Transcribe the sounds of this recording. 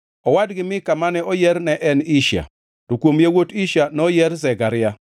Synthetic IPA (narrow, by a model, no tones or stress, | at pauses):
ɔwadɡɪmɪkamanɛʔɔjɛɾnɛʔɛniʃa̰ | tokwomjewotiʃjanɔjɛɾzɛɡaɾɪja